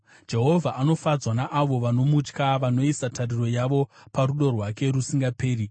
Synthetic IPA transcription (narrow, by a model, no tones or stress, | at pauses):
d͡ʒe̞ɦo̞vʱaʔano̞fad͡zwanaʔaʋo̞ʋano̞mut͡ʃkaʋano̞isatʰariro̞jaʋo̞paɾuɗo̞rwake̞ɾusiŋɡape̞ːɾi